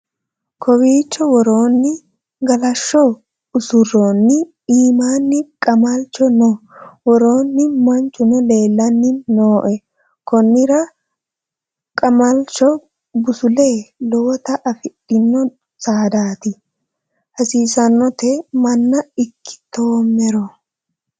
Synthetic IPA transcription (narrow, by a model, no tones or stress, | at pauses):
kʰɔwiːt͡ʃːɔwɔɾo̞ːnːɪ | ɡɐlɐʃːɔ | ʊsʊrːoːnːɪ | iːmaːnːɪkʼɐmɐlt͡ʃːɔnɔwɔɾo̞ːnːɪmɐnt͡ʃːʊnɔle̞ːlːɐnːɪnoːʔɛ | kɔnːɪɾɐ | kʼɐmɐlt͡ʃɔ | bʊsʊle̞ːlɔwɔt̪ɐʔːfɪɗːɪnːɔ | saːd̪aːt̪ɪ | hɐsiːsɐnːɔt̪emɐnːɐɪkːɪ̥t̪oːmːɛɾɔ